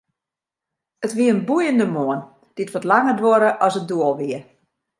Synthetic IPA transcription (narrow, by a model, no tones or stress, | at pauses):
ətʋiəənbujəndəmoən | d̥ɪtʋotlaŋədʋoɾəʔɔsəduəlˠʋiə